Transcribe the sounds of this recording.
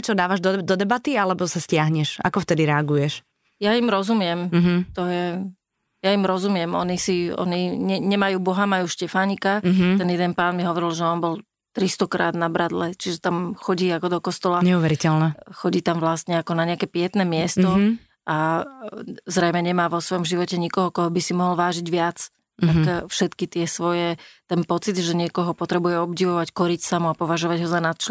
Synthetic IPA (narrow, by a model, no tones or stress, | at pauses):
ɛt͡ʃɔd̪aːʋaʒd̪d̪ɔd̪ɛbat̪ialɛbɔsascɪaɦɲɛʃa̰kɔft̪ɛd̪iɾɛaɡujɛʃ | jaimɾɔzumɪɛm̩ɦ̩t̪ɔjɛ | jaimɾɔzumɪɛmɔ̰nisiɔ̰niɲɛɲɛmajuːbɔɦamajuːʃcɛfaːɲikaɦ̪ɛnjɛd̪ɛnpaːnmiɦɔʋɔɾilʒɛɔnbɔl | t̪ɾist̪ɔkɾa̰ːd̪nabɾad̪lɛt͡ʃiʒɛt̪amxɔɟiːakɔd̪ɔkɔst̪ɔlaɲɛuʋɛɾicɛlnɛxɔɟiːt̪amʋlast̪ɲɛakɔnaɲɛakɛːpɪɛt̪nɛːmɪɛst̪ɔ | ʔa | zɾɛjmɛɲɛmaːʋɔsʋɔjɔmʒiʋɔcɛɲikɔɦɔkɔɦɔbisimɔɦɔlʋaːʒiɟʋɪat͡s | t̪akfʃɛt̪kit̪ɪɛsʋɔjɛt̪ɛnpɔt͡sid̪ʒɛɲɪɛkɔɦɔpɔt̪ɾɛbujɛɔbɟiʋɔʋackɔɾicsamuapɔʋaʒɔʋaɟɦɔzanat̪t͡ʃlɛ